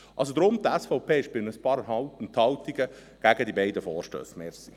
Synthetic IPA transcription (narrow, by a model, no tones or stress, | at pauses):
ʔɑls̬od̪ɾʊmt̪ɛsfɔʊpʰeːʃpɪləspɑːɾəɦɑltn̩t̪hɑltiɡə | ɡ̥æɡəd̪ibɛɪdəfɔːɾʃtø̰ːsmɛɾsi